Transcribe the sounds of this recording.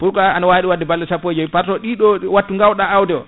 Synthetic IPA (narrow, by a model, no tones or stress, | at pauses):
puɾkaanawaɗiwadːɛbalːɛsapːod͡ʒɔipaɾtɔɗiɗɔwatːuŋɡawɗaːwdɛɔ̰